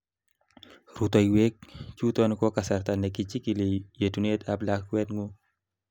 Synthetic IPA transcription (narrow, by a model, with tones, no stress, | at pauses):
rut̪ɔ˨iwe˦k̚t͡ʃu˦t̪ɔnkɔ˦kasa˨rt̪ane˨ki˨t͡ʃi˦ki˨le˨je˨tu˨ne˦t̪ablakwɛ˦t̪̚ŋu